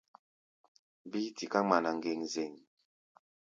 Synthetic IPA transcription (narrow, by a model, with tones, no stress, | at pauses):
bi˦ti˨ka˦ma˨na˨ŋ˨ɡe˨ŋze˨ŋ